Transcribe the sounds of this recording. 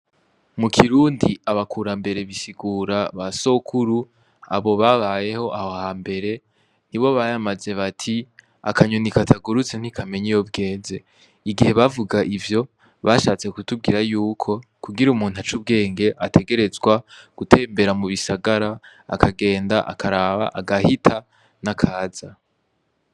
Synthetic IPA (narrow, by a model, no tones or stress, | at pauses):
mukʰiɾuːndiaβakʰuɾambe̞ɾe̞βisiɡuːɾaβaso̞kʰuɾu | a̰βo̞βaβaje̞ho̞ʔahoahambe̞ɾe̞ | niβo̞βajamaze̞βatʰi | a̰kʰaɲonikatʰaɡuɾut͡sen̥hikʰame̞ɲijob̚ɡe̞ːze̞ | iɡihe̞βavuɡaʔivjo̞ | βaʃaːt͡se̞kutub̚ɡiːɾajuːkʰo̞kuɡiɾumuːn̥hat͡ʃub̚ɡe̞ːŋɡe̞ʔatʰe̞ɡe̞ɾe̞zɡwaɡ̥utʰe̞ːmbe̞ɾamuβisaɡaɾa̰ː | kʰaɡe̞ːndaʔa̰kʰaɾaːβa̰ʔaɡahitʰa | nakʰaːza